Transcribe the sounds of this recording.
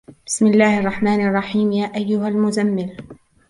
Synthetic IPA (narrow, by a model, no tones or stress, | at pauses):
b̥ɪsmɪlːaːhʔɑrˤːɑħmaːnɑrˤːɑħiːmjaːʔajːʊhalmʊzamːɪl